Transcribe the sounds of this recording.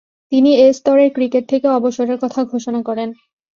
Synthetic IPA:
t̪iniest̪ɔɾeɾkɾikeʈ̚t̪ʰekeɔboʃoɾeɾkɔt̪ʰaɡʱoʃonakɔɾen

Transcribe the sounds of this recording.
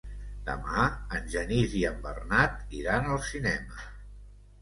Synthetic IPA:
d̪̥ə̰maənʲʒəniziəmbərnat̪iɾanəlˠsinɛmə

